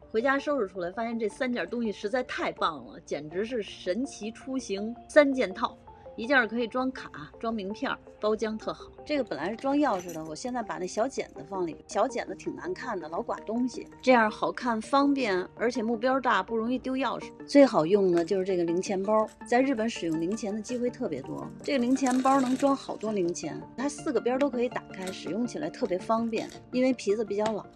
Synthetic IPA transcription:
xwe˧˥ɪt͡ɕja˥ʂo˥˧ʊɻu˥˩ʈ͡ʂʰu˥la˧˥ɪfa˥ɕjɛ˥˧nʈ͡ʂɤ˥˩sa˥nt̪jɑ˨˩t̪ʊ˥ŋɕi˩ʂɻ̩˧˥t͡sa˥˧ɪt̪ʰa˥˧ɪpɑ˥˩ŋlə̰˩t͡ɕjɛ˨˩nʈ͡ʂɻ̩˧˥ʂ̬ɻ̩˥˩ʂə˧˥nt͡ɕʰi˧˥ʈ͡ʂʰu˥ɕi˧˥ŋsa˥nt͡ɕjɛ˥˧nt̪ʰɑ˥˩ʊi˧˥t͡ɕjɑ˥˩kʰɤ˧˥i˨˩ʈ͡ʂwɑ˥ŋkʰa̰˨˩ʈ͡ʂwɑ˥ŋmi˧˥ŋpʰjɑ̰˥˩pɑ˥ʊt͡ɕjɑ˥ŋt̪ʰɤ˥˩xɑ˨˩˦ʊʈ͡ʂɤ˥˩ɡə˩pə˨˩nla˧˥ɪʂɻ̩˥˧ʈ͡ʂwɑ˥ŋjɑ˥˩ʊʂɻ̩˨˩d̪ə˩wɔ˨˩ɕjɛ˥˧nt͡sa˥˩ɪpa˨˩ne˥˩ə˩ɕjɑ˧˥ʊt͡ɕjɛ̰˨˩nd̪ə˦fɑ˥˩ŋlḭ˧˥˧ɕjɑ˧˥ʊt͡ɕjɛ̰˨˩nd̪ə˦t̪ʰi˨˩ŋna̰˧˥nkʰa˥˩nd̪ə˩lɑ˧˥ʊkwa̰˨˩nt̪ʊ˥ŋɕḭ˨ʈ͡ʂɤ˥˧jɑ˥˩xɑ˨˩ʊkʰa˥˩nfɑ˥ŋpjɛ˥˩nə˞˧˥t͡ɕʰjɛ˨˩mu˥˩pjɑ˥ʊt̪a˥˩pu˥˩ɻʊ˧˥ŋi˥˧t̪jo˥ʊjɑ˥˩ʊʂɻ̩˨˩swɔ˥i˧˩xɑ˨˩ʊjʊ˥˩ŋd̪ə˩t͡ɕjo˥˧ʂɻ̩˥˧ʈ͡ʂɤ˥˩ɡə˩li˧˥ŋt͡ɕʰjɛ˧˥npɑ˥t͡sa˥˧ɪɻ̩˥˩pə˧˥nʂɻ̩˨˩jʊ˥˩ŋli˧˥ŋt͡ɕʰjɛ˧˥nd̪ə˧t͡ɕi˥xwe˥˧ɪt̪ʰɤ˥˩pjɛ˧˥t̪wɔ̰˥ʈ͡ʂɤ˥˩ɡə˩li˧˥ŋt͡ɕʰjɛ˧˥npɑ˥nɤ˧˥ŋʈ͡ʂwɑ˥ŋxɑ˨˩ʊt̪wɔ˥li˧˥ŋt͡ɕʰjɛ̰˧˥nt̪ʰa˥sɹ̩˥˩ɡə˨˩pjɑ˥t̪o˥ʊkʰɤ˧˥i˧˥t̪a˨˩kʰa˥ɪʂɻ̩˨˩jʊ˥˩ŋt͡ɕʰi˨˩la̰˧˥ɪt̪ʰɤ˥˩pjɛ˧˥fɑ˥ŋpjɛ̰˥˩ni˥nwe˥˩ɪpʰi˧˥d͡z̩˧p̬i˨˩t͡ɕjɑ˥˩ʊlɑ̰˨˩˦

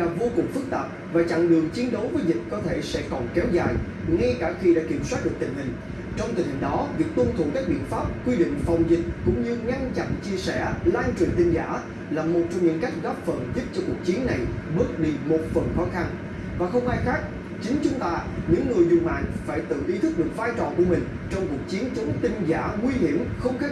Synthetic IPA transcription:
ɗaː˨˩vo˧kʊ˨˩ŋ͡mfɨ˦˥k̚t̪a̰ː˨˩p̚ | vaː˨˩t͡ɕa̰˧˨ŋɗɨ˨˩əŋt͡ɕi˨˦ənɗə˨˦wvəː˨˦jzï˨˩k̟̚kɔ˨˦t̪ʰe˧˩sɛ̰˧˥kɔ˨˩nkɛ˨˦wza̰ː˨˩j | ŋa˧jkaː˧˩xi˧ɗa̰ː˧˥ki˧˩əmswaː˦˥t̚ɗɨ˨˩ək̚t̪ï˨˩ŋ̟hï˨˩ŋ̟ | t͡ɕɔ˧wŋ͡mt̪ï˨˩ŋ̟hï˨˩ŋ̟ɗɔ˨˦vi˨˩ək̚t̪ə˧nt̪ʰṵ˨ka˦˥k̚ɓḭ˧˨ənfaː˦˥p̚kwi˧ɗḭ̈˧˨ŋ̟fa˨˩wŋ͡mzï˨˩k̟̚kʊ̰˧˥ŋ͡mɲɨ˧ŋa˧nt͡ɕa̰˧˨nt͡ɕi˧əsɛ̰˧˩laː˧nt͡ɕwḭ˧˨ənt̪ï˧ŋ̟zaː˧˩ | laː˨˩mo˨˩t̚t͡ɕɔ˧wŋ͡mɲɨ̰˧˥ŋka˦˥jk̟̚ɣɔ˦˥p̚fə˨˩nzɨ˦˥p̚t͡ɕɔ˧ku˨˩ək̚t͡ɕi˨˦ənːa˨˩jɓɨ˦˥ək̚ɗi˧mo˨˩t̚fə˨˩nxɔ˨˦xa˧n | vaː˨˩xə˧wŋ͡mʔaː˧jxaː˦˥k̚ | t͡ɕï˨˦ŋ̟t͡ɕʊ˨˦ŋ͡mt̪aː˧ɲɨ̰˧˥ŋŋɨ˨˩əjzʊ˨˩ŋ͡mma̰ː˧˨nfaː˧˩jt̪ɨ̰˧˨ʔi˨˦t̪ʰɨ˦˥k̚ɗɨ˨˩ək̚vaː˧jt͡ɕɔ˨˩ku˧əmï˨˩ŋ̟ | t͡ɕɔ˧wŋ͡mku˨˩ək̚t͡ɕi˨˦ənt͡ɕʊ˨˦ŋ͡mt̪ï˧ŋ̟zaː˧˩ŋwi˧ɦi˧˩əmxə˧wŋ͡mxe˦˥

